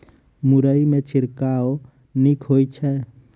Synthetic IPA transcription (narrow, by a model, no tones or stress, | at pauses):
mʊɾəimet͡ʃʰɪɾkao | nikʰɦojt͡ʃʰɛ